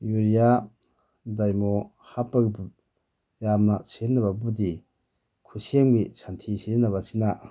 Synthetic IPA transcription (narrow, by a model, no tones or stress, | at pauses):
juɾija | dajmo | hapːɐɡibu | jamnɐsenːɐbabudi | kʰusemɡisantʰisinːɐβasina